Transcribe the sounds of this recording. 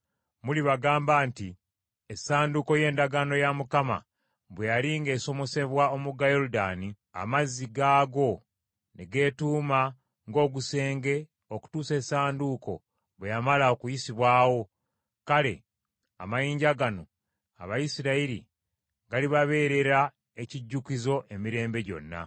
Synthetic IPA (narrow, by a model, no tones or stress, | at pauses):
muliβaɡaːmbaːnti | esaːnduko̞je̞ːndaɡano̞jamukama̰ | βwejaliŋɡe̞ːso̞mo̞se̞βwao̞muɡajo̞ɾudani | a̰mazːiɡaːɡo̞ | neɡe̞ːtuːma | ŋɡo̞ːɡuse̞ːŋɡe̞ | oku̥tuːse̞ːsaːnduko̞̰ | βwejamalaokujisiβwaːwo̞ | kale̞ | a̰majiːɲɟaɡano̞ | a̰βajisiɾaiɾḭ | ɡaliβaβe̞ːɾe̞ɾa | e̞ciɟːukizo̞ʔe̞miɾe̞ːmbe̞ɟo̞̰nːa̰